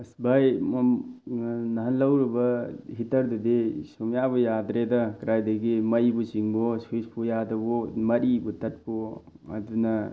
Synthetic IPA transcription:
sbajm | nɐɦɐnlɐwɾibɐhitɐɾdudisɔmjabɔjad̪ɾedɐkɾajdɐɡimɐjbusiŋbɔswispujadɐbɔmɐɾibutɐt̚pɔ | ɐ̰dunɐ

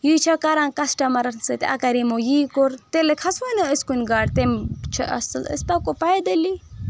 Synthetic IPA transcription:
jiːt͡ʃʰakɐɾankɐsʈɐmɐɾɐnsɐt̪ʲɐ̰kɐɾimojiːkoɾt̪elekʰɐswɐnɐəskunʲɡaːɽt̪emt͡ʃʰɐ̰ʔɐ̰sɨlə̰st̪akopɐjd̪ɐli

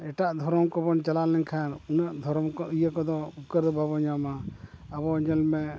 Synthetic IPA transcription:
ɛʈaʔd̪ʱɔɾɔmkɔbɔnt͡ʃalalɛɲkʰanunaʔd̪ʱɔɾɔmkɔəjakɔd̪ɔup̚kəɾd̪bʱabɔɲamaabɔɲɔlmɛ

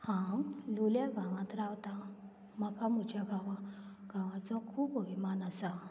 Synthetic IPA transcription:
hãluljaɡʱãʋãt̪ɾawt̪a | makamut͡ɕaɡʱãʋaɡʱãʋãt͡sɔkʰuːpoʋimanasa

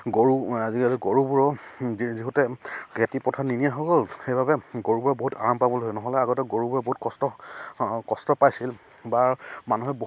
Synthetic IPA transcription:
ɡoɹuazikaziɡoɹubuɹɔziɦutɛɡetipɔtʰaninijaɦɔkɔlxejbʱabɛɡoɹubuɹɔboɦuta̰ɹampabɔloɦɔjnɔɦɔlɛaɡɔtɛɡoɹubuɹɛboɦut̚kɔstɔ | kɔstɔpajsil | baɹmanuɦɛbo

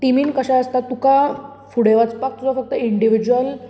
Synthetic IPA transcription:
ʈimiːnkəɕaəst̪at̪ːuka | fuɽeʋat͡spak̚t̪usafək̚t̪əiɳɖiʋid͡ʑuʋəl

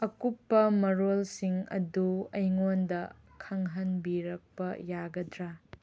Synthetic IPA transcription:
ɐkupːɐmɐɾolsiŋɐ̰duɐjŋondɐ | kʰɐŋɦɐnbiɾɐk̚pɐjaɡɐdɾa

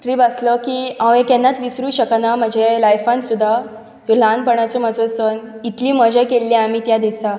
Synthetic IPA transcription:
tɾiːbaslɔkiːãwekɛnːat̪ʋisɾuːɕəknaməd͡ʑʱelajfãnsud̪ʱːa | ʋil̤anpəɳat͡somad͡zosənit̪liːməd͡ʑəjkelːĩam̤iːt̪jad̪isa

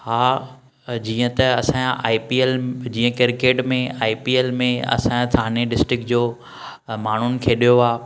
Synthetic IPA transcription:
haː | d͡ʑiːə̃t̪ɐɐsãaːipield͡ʑiːə̃kɪɾkeːʈmẽaːipiːeːlmẽɐ̰sãt̪ʰaːneɖɪsʈɾɪk̚d͡ʑoː | maːɳ̤ʊnɪ̆kʰeːɗijoaː

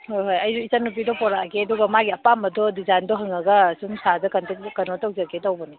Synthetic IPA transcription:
hojɦojɐjzuisanːup̬idɔpɔɾakʰeɐdɔɡɐmaɡiɐpamɐdɔdizajndɔɦɐŋɐɡɐsumsʰadɐkɐntekkɐnɔtawzakʰetawbɐni

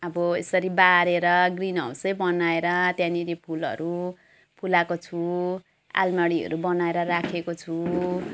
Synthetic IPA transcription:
ʌbʌesʌɾibaɾeɾʌɡrinʌ̰usʌjbʌnaeɾʌt̪janilepʰulʌ̰ɾu | pʰulakot͡sʰu | a̰lmaɽiʌ̰ɾubʌnaeɾʌrakʰekot͡sʰu

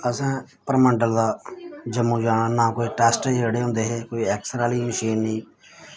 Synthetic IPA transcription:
əsãː | pəɾməɳɖəld̪aːd͡ʒəmːũːd͡ʒaːɽaːnaːkoːiːʈɛːsʈeːd͡ʒeɽeːɦʊ̃nd̪eːɦɛːkoːiːɛːksɾaːliːməʃiːnːĩː

